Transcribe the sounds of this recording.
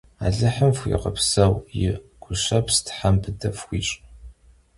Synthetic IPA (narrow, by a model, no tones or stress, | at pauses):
a̰ːɮɨħəmfʷḭqɐpsɐwjɪɡ̥ʷʊʃɐpʰstʰħampʰɨdɐfxʷiːɕʼ